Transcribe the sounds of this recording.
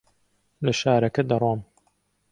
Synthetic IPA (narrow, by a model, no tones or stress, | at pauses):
lɐʃaːɾɐkɐd̪ɐrˤwɑːm